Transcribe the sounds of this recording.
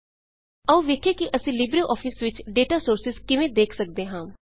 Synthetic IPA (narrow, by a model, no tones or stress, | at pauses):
əũːʋeːkʰeːkɪʔəsĩːlɪbɾəʔɔːpʰɪsʋɪt͡ʃɖeːʈaːsoːɾsɪzkɪʋẽːd̪eːkʰsək̚d̪eːɦãː